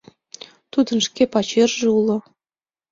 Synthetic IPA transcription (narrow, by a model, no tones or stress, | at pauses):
t̪ud̪ə̆nʂkʲepɑt͡ɕerʒɤ̆ulˠɤ̆